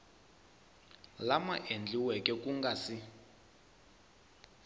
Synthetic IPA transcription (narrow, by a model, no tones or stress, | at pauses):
lamaʔend͡ɮiwɛkʼɛkuŋɡasi